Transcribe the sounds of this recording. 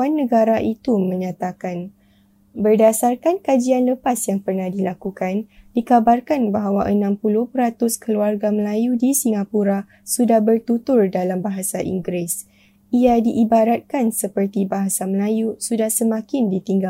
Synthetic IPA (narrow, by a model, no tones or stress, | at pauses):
anːə̃ɡaɾaʔit̪umə̃ɲãt̪akan | bərdasarkankad͡ʒianləpasjaŋpərnahdilakukandikabarkanbaɦawaʔənãmpulʊhpəɾat̪ʊskəluarɡaməlajudisiŋapuɾa | sudahbərt̪ut̪ʊrdalambaɦasaʔḭŋɡɾɪs | iadiʔibaɾat̪̚kansəpərt̪ibaɦasaməlajusudahsəmãkɪndit̪iŋɡa